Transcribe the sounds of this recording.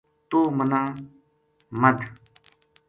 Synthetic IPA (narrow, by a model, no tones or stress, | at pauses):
t̪uːmənãː | məd̪ʱ